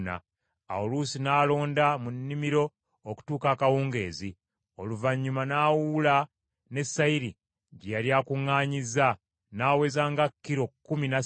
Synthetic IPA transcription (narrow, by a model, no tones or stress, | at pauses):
na̰ | a̰oluːsinaːlo̞ːndamunːimiɾo̞ː | ku̥tuːkakawuːŋɡe̞̰ːzi | oluvaɲːumanaːwuːla | ne̞sːaiɾi | ɟejaljaːkuŋːaːɲiza | naːwe̞ːzaːŋɡakːiɾo̞kːumina